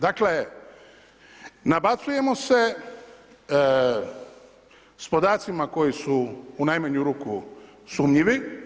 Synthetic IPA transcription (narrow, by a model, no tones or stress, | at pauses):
d̪akle | nabat̪suje̞mo̞se̞ | spo̞d̪aːt̪simako̞jisuːnajmaɲuɾuːku | suːmɲiʋi